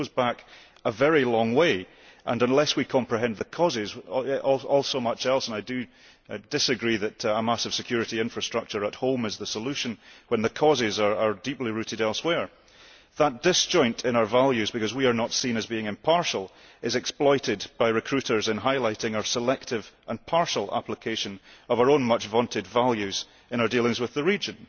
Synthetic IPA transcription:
ozbak | əvɛɹilˠɔ̃ŋwe | ʔə̰̃nə̃nlˠɛswikʰɑ̃mpɹɨɦɛ̃nðəkʰɔzɪzɔlˠɔlˠsomʌt͡ʃɛlˠsə̃naɪdɨ | d̥ɪsɨɡɹiðɨʔəmasəv̥sɪkʰj̥ʉɹɨʔiɪ̃ɱfɹɨstɹ̥ʌk̚t͡ʃə˞əʔhõmɪzðəsəlˠʉʃə̃nwə̃nðəkʰɔzɪzə˞ə˞diplˠiɹʉʔɪdɛlˠswɛɹ | ðət̚d̥ɪsd̥ʒ̥ɔ̃ɪ̃ntʰɪ̃ñaə˞valˠjʉzbɪkʌzwiə˞nətsĩnəzbiɪ̃ŋɪ̃mpʰaɹʃəl̩ˠ | ɪzɛksplˠɔɪʔɪdb̥aɪɹɨkʰɹ̥ʉʔə˞zɪ̃nɦaɪlˠaɪʔɪ̃ŋəʊə˞səlˠɛk̚tʰɪvʔə̃npʰaɹʃəl̩ˠa̰plˠɪkʰeʃə̃nəʌvaə˞õnmʌt͡ʃvɔ̃ntʰɪdvalˠjʉz | ɪ̃ñaʊə˞dilˠɪ̃ŋzwɪðəɹid͡ʒə̃n

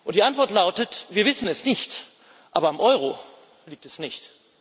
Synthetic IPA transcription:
ʔʊntd̥iːʔantv̥ɔɐtlaʊtətviːɐvɪsn̩ɛsnɪçt | ʔa̰ːbɐamʔɔʏʁ̞o | liːk̚tɛsnɪçt

